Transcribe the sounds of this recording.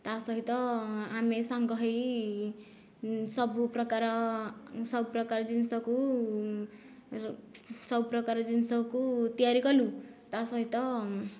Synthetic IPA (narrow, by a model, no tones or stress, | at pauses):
t̪asʌɦit̪ʌamesaŋɡʌɦʌj | sʌbuprʌkaɾ | sʌbprʌkaɾd͡zinsʌku | sʌbprʌkaɾd͡zinsʌkut̪ijaɾikʌlut̪asʌɦit̪ʌ